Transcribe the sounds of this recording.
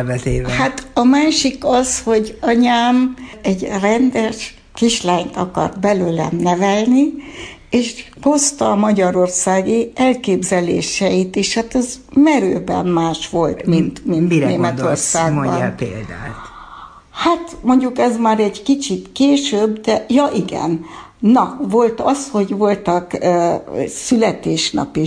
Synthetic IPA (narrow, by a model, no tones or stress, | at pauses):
vɛzeːhat̪ɒmaːʃikɒzho̞ɟɒɲaːmɛɟrɛnd̪ɛʃ | kiʃlaːɲt̪ɒkɒ̰rt̪bɛløːlɛ̰mnɛvɛlni | eːʃ | ɡ̥o̞st̪ɒːmɒɟɒɾo̞rsaːɡiɛlkeːbzɛlḛːʃɛjit̪eʃhat̪ɛzmɛɾøːbɛ̰mmaːʃʋo̞lt̪mint̪minineːmɛt̪o̞rsaːɡbɒ̰nḛːld̪a̰ːt | hat̪mo̞ɲɟukɛzmaːɾɛɟkit͡ʃit̪keːʃøbd̪ɛjɒʔiɡɛ̰nː | ɒvo̞lt̪ɒsho̞ɟvo̞lt̪ɒkː | sylɛt̪eːʃnɒ̰pi